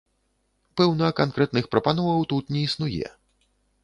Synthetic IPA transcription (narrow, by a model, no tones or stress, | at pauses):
pɛwnɐkankɾɛt̪nɨxpɾɐpanɔvɐwt̪ut̪nʲɛisnujɛ̰